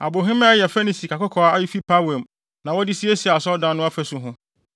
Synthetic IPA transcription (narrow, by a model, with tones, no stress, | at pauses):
a˨bo˨ɦɪ̃˦m̃˦a˦jɛ˨fe˦ni˨si˨kʰa˨kʊ˦kʰɔ˨a˦a˦ji˦fi˦pʰa˦wɛ˨m | nã˨wɔ˦dɪ˦si˦e˦si˨a˨sɔ˦dã˦nʊ̃˦a˦fɛ˦sʊ˨ɦʊ̃˦